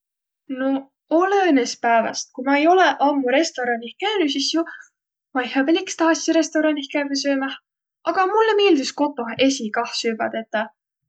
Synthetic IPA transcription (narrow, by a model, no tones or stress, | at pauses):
no | olenespæevɑ̰st̪̚kumɑe̞jo̞leʔɑmːuɾe̞st̪o̞ɾɑnihkæynysisju | mɑjhɑbelikst̪ɑːsʲiɾe̞st̪o̞ɾɑnihkæves̬øːmɑh | ʔɑɡ̥ɑmulːeme̞ːld̪isko̞t̪ːˑo̞e̞sikɑhsyːbɑ̰t̪et̪ːˑɑ